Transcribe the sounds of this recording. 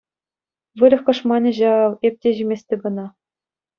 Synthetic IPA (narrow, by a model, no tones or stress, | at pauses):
ʋɯɾʲɤ̆xkɤ̆ʂmɑnʲɘ̆ʑɑʋep̚ʲtʲeʑimʲesʲtʲɘ̆bɤ̆nɑ